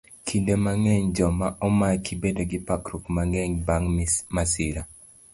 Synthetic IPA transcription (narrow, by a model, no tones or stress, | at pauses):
kʰindemaŋɛɲd͡ʒɔmaʔɔmakibedoɡɪpakɾukmaŋɛɲbaŋmasɪɾa